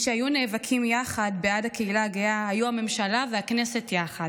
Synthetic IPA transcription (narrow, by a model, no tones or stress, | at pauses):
ʃeajuneːvakʰimjaχadbeadakeilaɡeahajuhame̞mʃalaveakne̞se̞tjaχad